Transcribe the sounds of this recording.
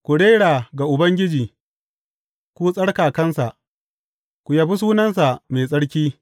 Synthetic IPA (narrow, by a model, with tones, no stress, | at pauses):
kʷu˨ɽeː˦ɽaː˨ɡa˨ʔʊ˨bɐ˦ŋɡʲɪ˦d͡ʒiː˨ | kʷuː˦sʼɐ˦ɽkaː˨kɐ˦nsa˨ʔ | kʷu˨ja˨bu˦s̬uː˦nɐ˦nsa˨meː˨sʼɐ˦ɽkʲiː˦